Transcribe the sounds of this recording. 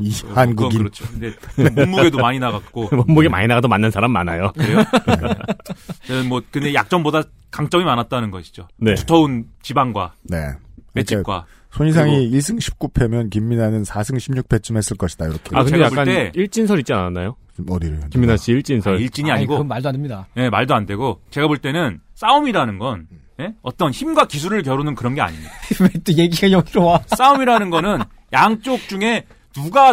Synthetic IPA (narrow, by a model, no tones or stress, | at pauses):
ianɡuɡit͡ɕʰokɯdemʌmːuɡe̞domaɲinaɡak̚kk͈omʌmːuɡema̰ɲinaɡadomanːɯnsʰaɾamːa̰najokɾe | enɯnmwʌkɯndejak̚t͡ɕ͈ʌŋboda | kaŋt͡ɕ͈ʌŋimanat̚t͈anɯnɡʌɕʰi̥d͡ʑone̞u̥tʰʌunt͡ɕibaŋɡwa̰ne̞̰et͡ɕ͈ʰiakwa̰ | sʰoɲis̬ʰaŋiiɭs͈ʰɯŋɕʰi̥p̚k͈upʰe̞mjʌnkimːinanɯnsʰasʰɯŋɕʰimɲuk̚p͈ʰe̞t͡ɕ͈ʰɯmɦe̞s͈ɯɭk͈ʌɕʰidaiɾʌkʰeakɯndejak͈aneiɭt͡ɕ͈insʰʌɾit͡ɕ͈iananːajo | mʌdiɾkimːinaɕ͈iiɭt͡ɕ͈insʰʌɭiɭt͡ɕ͈iɲiaɲiɡomaɭdoaɲidaje̞maɭdoande̞ɡot͡ɕe̞ɡaboɭt͈enɯns͈aumiɾanɯnɡʌn | je̞ʌt͈ʌnçimɡwakis̬ʰuɾɯɭk̬jʌɾonɯnkɯɾʌnɡe̞a̰ɲimwet͈ojeɡiejʌɡiɾowas͈aumiɾanɯnɡʌnɯn | jaŋt͡ɕ͈ok̚t͡ɕ͈uŋe̞ | nuɡa